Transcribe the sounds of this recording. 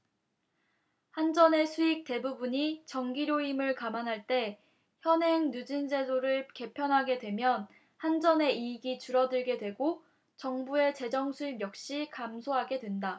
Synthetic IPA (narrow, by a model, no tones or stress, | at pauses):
hand͡ʑʌne̞sʰuik̚t͈e̞bubuɲit͡ɕʌŋɡiɾjoimɯɭkamanɦaɭt͈e̞ | çjʌnɦe̞ŋnud͡ʑind͡ʑe̞doɾɯɭke̞pʰjʌnɦaɡe̞dwe̞mjʌn | hand͡ʑʌne̞iɡit͡ɕuɾʌdɯɭɡe̞dwe̞ɡo | t͡ɕʌŋbue̞t͡ɕe̞d͡ʑʌŋsʰuimjʌk̚ɕ͈ikamsʰoɦaɡe̞dwe̞nda